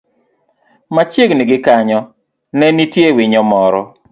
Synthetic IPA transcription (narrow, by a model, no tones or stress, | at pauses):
mat͡ʃjeɡniɡɪkaɲɔ | nɛnitjewiɲɔmɔɾɔ̰